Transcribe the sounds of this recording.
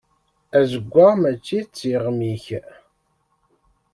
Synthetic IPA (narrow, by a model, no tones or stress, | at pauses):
æzəɡʷːamæt͡ʃːit͡sːiʁmiç